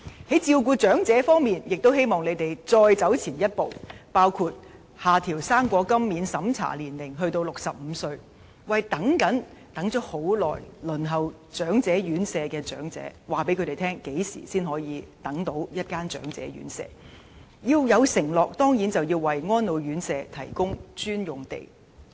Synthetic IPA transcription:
hɐ˨˥jt͡siː˧wkuː˧t͡ʃœː˨˥ŋt͡sɛː˨˥fɔː˥ŋmiː˨njɪ˨k̚t̪o˥whe˥jmɔː˨ŋle˨˧jt̪e˨jt͡sɔː˧jt͡sɐ˨˥wt͡sʰiː˨˩njɐ˥t̚po˨wpaː˥wkʰuː˧t̚ | haː˨t̪ʰiː˨˩wsaː˥mkʷɔː˧kɐ˥mːiː˨˥nsɐ˨˥mt͡sʰa̰ː˨˩liː˨˩nlɪ˨˩ŋɦɵ˧ɥt̪o˧wlʊ˨k̚sɐ˨p̚m̩˨˧sɵ˧ɥ | wɐ˨jt̪ɐ˨˥ŋkɐ˨˥nt̪ɐ˨˥ŋt͡ʃœ˥k̚ho˨˥wlɔː˨˩jlɵ˨˩nɦɐ˨˩w | t͡sœː˨˥ŋt͡sɛː˨˥jyː˨˥nsɛː˧kɛː˧t͡sœː˨˥ŋt͡sɛ̰ː˨˥waː˨˩pe˨˥kʰt̪e˨jt̪ʰɛː˥ŋke˨˥jsḭː˨˩siː˥nhɔː˨˧˥jiː˨˧t̪ɐ˨˥ŋt̪o˨˥wjɐ˥t̚kaː˥nt͡sœ̰ː˨˥ŋt͡sɛ̰ː˨˥ɥy̰ː˨˥nsɛ̰ː˧ | jiː˧wjɐ˨˧wsɪ˨˩ŋlɔː˨˩k̚t̪ɔː˥ŋjiː˨˥nt͡sɐ˨wjiː˧wːɐ˨jŋɔː˥nlo˨˧wjyː˨˥nsɛː˧t̪ʰɐ˨˩jkʊ˥ŋt͡ʃyː˥njʊ˨˩ŋt̪ḛ˨j

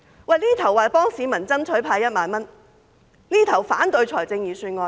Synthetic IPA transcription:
wɐ˨jniː˥t̪ʰɐ˨˩waː˨˩pɔː˥ŋsiː˨˧mɐ˨˩nt͡sɐ˥nt͡ʃʰɵ˨˥ɥpʰaː˧jɐ˥t̚maː˧nmɐ˥n | niː˥t̪ʰɐ˨˩wfa̰ː˨˥nt̪ɵ˧ɥt͡sʰɔː˨˩jt͡sɪ˧ŋjiː˨˩syː˧tŋɔː˧

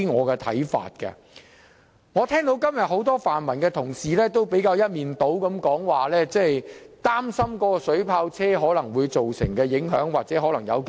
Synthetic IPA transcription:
ŋɔː˨˧kɛː˧t̪ʰɐ̰˨˥jfa̰ː˨t̚kɐ̰˧ | ŋɔː˨˧t̪ʰɛː˥ŋt̪o˨˥wkɐ˥mjɐ˨t̚ho˨˥wt̪ɔː˥faː˨nmɐ˨˩nkɛː˧t̪ʰʊ˨˩ŋsiː˨lɛː˥t̪o˥wpe˨˥jkaː˧wjɐ˥t̚miː˨nt̪o˨˥wkɐ˨˥mkɔː˨˥ŋwaː˨lɛː˥t͡sɛ˥˩jt̪aː˥msɐ˥mkɔ˨˥kɔ˧sɵ˨˥ɥpʰaː˧wt͡sʰɛː˥ɦɔː˨˥lɐ˨˩ŋwuː˨˧jt͡so˨wsɪ̰˨˩ŋkɛː˧jɪ˨˥ŋɦœ̰ː˨˥ŋwaː˨t̚t͡sɛː˨˥ɦɔː˨˥lɐ˨˩ŋjɐ̰˨˧wk

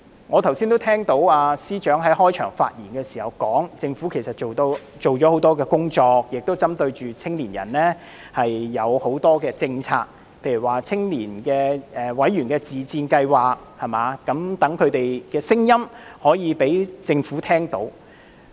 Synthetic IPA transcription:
ŋɔː˨˧t̪ʰwsi˥nt̪o˥wtʰɛː˥ŋt̪o˨˥waː˧siː˥t͡ʃœː˨˥ŋɦɐ˨˥jhɔː˥jt͡ʃʰœː˨˩ŋfa̰ː˧t̚jiː˨˩nkɛː˧si̥ː˨˩hɐ˨wkɔː˨˥ŋt͡sɪ˧ŋfuː˨˥kʰe˨˩jsɐ˨t̚t͡ʃo˨wt̪o˧w | t͡ʃo˨wt͡ʃɔː˨˥ho˨˥wt̪ɔː˥kɛː˧kʊ˥ŋt͡ʃɔː˧k̚jɪ˨k̚t̪o˥wt͡sɐ˥mt̪ɵ˧ɥt͡ʃyː˨t͡sʰɪ˥ŋliː˨˩njɐ̰˨˩nlɛː˥ | hɐ˨jːɐ˨˧who˨˥wt̪ɔː˥kɛː˧t͡sɪ˧ŋt͡sʰaː˧k̚ | pʰe˧jy˨˩waː˨t͡sʰɪ˥ŋliː˨˩nkɛː˧ɛː˨wɐ˨˥jɥyː˨˩nkɛː˧t͡siː˨t͡siː˧nkɐ˧jwaː˨k̚hɐ˨maː˨˧kːɐ˨˥mt̪ɐ˨˥ŋkʰɵ˨˧t̪e˨jkɛː˧sɪ˥ŋjɐ˥mhɔː˨˥jiː˨˧pe˨˥jt͡sɪ˧ŋfu˨˥t̪ʰɛː˥ŋt̪o̰˨˥w

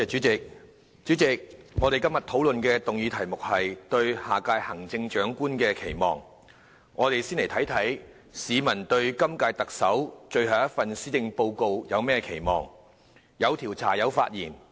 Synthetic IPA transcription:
t͡ʃyː˨˥t͡sɪ˨k̚ | t͡ʃyː˨˥t͡sɪ˨k̚ŋɔ˨˧t̪e˨˩jkɐ˥mjɐ˨˩t̪ʰo˨˥wlɵ˨nkɛ˧t̪ʊ˨ŋjiː˨˧t̪ʰɐ˨˩jmʊ˨k̚hɐ˨jt̪ɵ˧ɥhaː˨kaː˧jhɐ˨˩ŋt͡sɪ˧ŋt͡ʃœː˨˥ŋkuː˥nkɛː˧kʰe˨˩jmɔː˨˩ŋ | ŋʔɔː˨˧t̪e˨jsiː˥nle˨˩jt̪ʰɐ˨˥jt̪ʰɐ˨˥j | siː˨˧mɐ˨˩nt̪ɵ˧ɥkɐ˥mkaː˧jt̪ɐ˨k̚sɐ˨˥wt͡ʃɵ˧ɥhɐ˨˩wjɐ˥t̚fɐ˨nsiː˥t̪ɪ˧ŋpo˧wko˧wjɐ˨˧wmɛː˥kʰe˨˩jmɔː˨˩ŋ | jɐ˨˧wt̪ʰiː˨˩wt͡sʰa̰ː˨˩jɐ˨˧wfa̰ː˧t̚jiː˨˩n

